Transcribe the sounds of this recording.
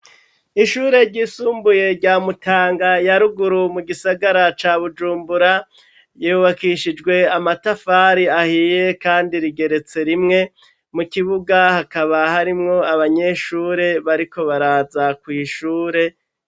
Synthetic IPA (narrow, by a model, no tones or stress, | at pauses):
iʃuːɾe̞ɾɟiːsuːmbuje̞ɾɟaːmutʰaːŋɡajaɾuɡuɾumuɡisaɡaɾat͡ʃaβud͡ʒuːmbuɾa | jiuβakiʃid͡ʒɡwe̞amatafaɾiahije̞kaːndiɾiɡe̞ɾe̞t͡se̞ɾimŋe̞ | mukiβuɡahakaβahaɾimŋo̞aβaɲe̞ʃuːɾe̞βaɾiko̞βaɾaːzakwiiʃuːɾe̞